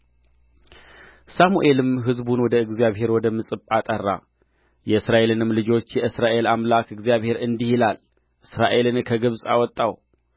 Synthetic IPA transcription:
samuʔe̞lɨmɦɨzbunwɔd̪əɨɡzijaβɦe̞ɾwɔd̪əmɨsʼɨpʼat̪ʼərːa̰ | jɛɨsɾaʔe̞lɨnɨmlɨd͡ʒo̞t͡ʃːjɛɨsɾaʔe̞lamlakɨɡzijaβhe̞ɾɨnd̪ihilal | ʔɨsɾaʔe̞lɨnkʰəɡɨβsʼa̰wɔt̪ʼːaw

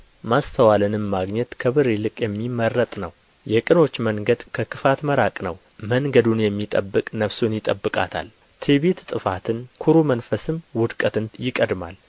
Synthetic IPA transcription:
mast̪ʰəwalɨnɨmːaɡɲɛt̪kʰəβɨɾelɨkʼjɛmːimərːət̪ʼnəw | jɛkʼɨno̞t͡ʃːməŋɡəd̪kʰəkɨfat̪məɾakʼnə̰w | məŋɡəd̪unjɛmːit̪ʼəbːɨkʼnəfsunjɪt̪ʼəbːɨkʼa̰t̪ʰa̰l | t̪ʰeβet̪t̪ʼɨfat̪ʰɨnkʰuɾumənfəsɨmwʊd̪kʼət̪ɨnjɪkʼəd̪ma̰l

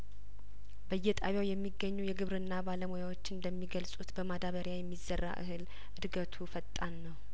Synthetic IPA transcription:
bəjːɛt̪ʼaβjawjɛmːiɡːəɲːujɛɡɨβɾɨnːabaləmojawot͡ʃːɨnd̪əmːiɡəlsʼut̪bəmad̪aβəɾjajɛmːizːərːa̰ʔɨ̰hɨl | ʔɨd̪ɡət̪ʰufət̪ʼːanːəw

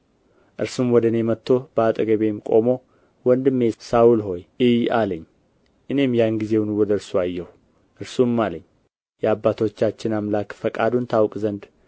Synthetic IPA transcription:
ʔɨɾsumwɔd̪əne̞mət̪ːo̞bəat̪ʼəɡəβe̞mkʼo̞̰mo̞ | wɔnd̪ɨmːesaulɦo̞jɨjaləɲː | ʔɨne̞mjanɡize̞wnuwɔd̪əɨɾsuajːɛh | ʔɨɾsumːaləɲː | jɛabːat̪ʰo̞t͡ʃːat͡ʃːɪnamlakfəkʼad̪unt̪ʰawkʼzənd̪

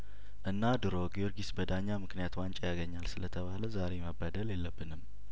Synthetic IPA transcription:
ʔɨnːad̪ɨɾo̞ɡijoɾɡisbəd̪aɲːamɨknijat̪want͡ʃʼɛjaɡəɲːalsɨlət̪ʰəβaləzaɾe̞məbːad̪əljɛlːəbːɨnɨm

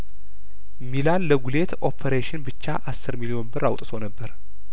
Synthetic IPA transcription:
milalːəɡule̞t̪ʰo̞pʰeɾeʃɪnbɨt͡ʃːaʔasːɨɾmilijo̞nbɨɾawt̪ʼɨt̪ʰo̞nəbːəɾ

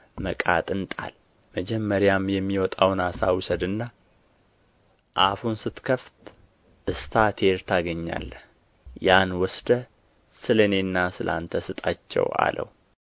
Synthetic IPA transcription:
məkʼa̰t̪ʼɨnt̪ʼa̰l | məd͡ʒɛmːəɾjamjɛmːiwɔt̪ʼawnasawʊsəd̪ɨnːa | ʔafunsɨt̪kʰəft̪ | ʔɨst̪ʰat̪ʰeɾt̪ʰaɡəɲːa̰lːə | janwɔsd̪ə | sɨləne̞nːasɨlʔa̰nt̪ʰəsɨt̪ʼat͡ʃːɛ̰wa̰lʔə̰w

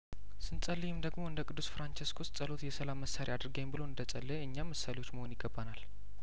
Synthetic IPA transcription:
sɨnsʼəlːijɪmd̪əɡmo̞ɨnd̪əkʼɨd̪ːusfɾant͡ʃeskʰost͡sʼəlo̞t̪jɛsəlamːəsːaɾiad̪ɾɨɡəɲːmbɨloɨnd̪ət͡sʼəlːəɨɲːamːəsːalewo̞t͡ʃːməho̞njɪɡːəbːanal

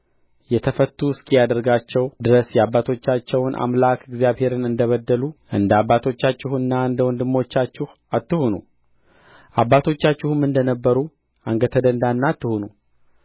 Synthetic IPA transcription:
jɛt̪ʰəfət̪ːuɨskijad̪əɾɡat͡ʃːɛwd̪ɨɾəsjɛabːat̪ʰo̞t͡ʃːat͡ʃːɛwnʔa̰mlakɨɪɡzijaβhe̞ɾɨnɨnd̪əβəd̪ːəluʔɨnd̪əabat̪ʰo̞t͡ʃːat͡ʃːɪhɨnːaɨnd̪əwɔnd̪ɨmːo̞t͡ʃːat͡ʃːɪh | at̪ːɨhonṵ | ʔabːat̪ʰo̞t͡ʃːat͡ʃːɪhɨmɨnd̪ənəbːəɾu | aŋɡət̪ʰəd̪ənd̪anːat̪ːɨhonu

